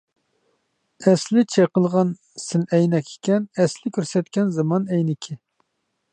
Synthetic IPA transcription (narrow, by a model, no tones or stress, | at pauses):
ɛslɪt͡ʃʰeqəlˠʁɑn | sɪnɛjnɛkʲe̥kʲɛnɛslɪkʲøɾsɛt̪̚kʲɛnzɑmɑnɛjnɪkʲʰi